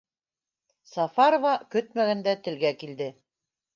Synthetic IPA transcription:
sɑfɑɾovɑkɵt̪mæɣænd̪æt̪ɘ̆lɡækild̪ɘ

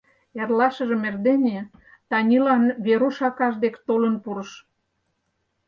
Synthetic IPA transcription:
erlɑʃə̆ʒəmerd̪enʲe | t̪ɑnʲilɑnβeɾuʃɑkɑʒd̪ekt̪olə̆npuɾə̆ʃ

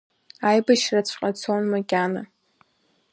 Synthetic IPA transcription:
ajbaʃrat͡ɕʷʰʼqʲʼat͡sʰonmakʲʼana̰

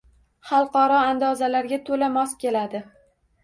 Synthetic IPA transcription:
χɑlˠqɒɾɒand̪ɒzalaɾɡʲat̪ʰolamɒskʲʰe̞lad̪ɪ

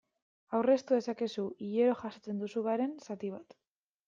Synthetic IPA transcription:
awre̞st̪uðe̞sake̞suiʎeɾo̞ʝast͡se̞nd̪usuɣaɾe̞nsat̪iβ̞at̪

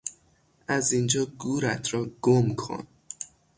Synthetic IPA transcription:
æzind͡ʒɒːɡuːɾæ̰t̪ʰɾɒːɡ̥omkʰo̰n

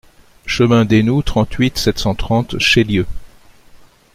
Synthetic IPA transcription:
ʃəmɛ̃d̪enut̪χɑ̃t̪ɥit̪sɛt̪sɑ̃t̪χɑ̃t̪ʃeljø

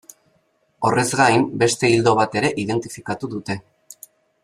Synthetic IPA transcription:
o̞re̞zɡajmbe̞st̪e̞ild̪o̞β̞at̪e̞ɾe̞ʔið̞e̞nt̪ifikat̪uðut̪e̞

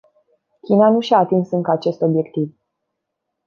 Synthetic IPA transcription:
kʲinanuʃiaːt̪insɨŋkəat͡ʃe̞st̪o̞bje̞kt̪iv

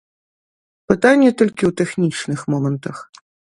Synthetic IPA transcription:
pɨt̪anʲːɛt̪ɔlʲkʲiwt̪ɛxnʲit͡ʂnɨxmɔmɐnt̪ɐx

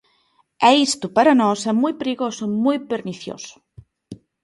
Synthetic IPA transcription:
eist̪upaɾanɔsɛmujpeɾiɣosumujpeɾniθjo̰su̥

